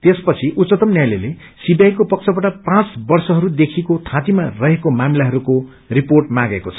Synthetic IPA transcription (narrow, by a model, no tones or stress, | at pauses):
t̪espʌt͡sʰiʔutt͡sʌt̪ʌmnjajlele | sibjajkopʌk̚t͡sʰʌbaʈapãt͡sbʌrsʌɦʌɾud̪ekʰikot̪ʰãt̪imarʌɦekomamilaɦʌɾuko | riporʈ̚maɡekot͡sʰʌ